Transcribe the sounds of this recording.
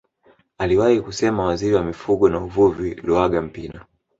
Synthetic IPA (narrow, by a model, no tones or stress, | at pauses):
aliwahikusɛmawaziɾiwamifuɠɔnauvuviluaɡam̩pina